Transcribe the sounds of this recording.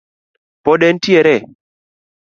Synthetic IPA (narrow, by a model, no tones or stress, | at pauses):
pɔɗɛntiɛɾɛ